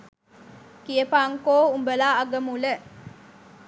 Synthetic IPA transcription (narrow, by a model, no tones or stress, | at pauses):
kijepaːŋkoːumbəlaːɐɡəmulə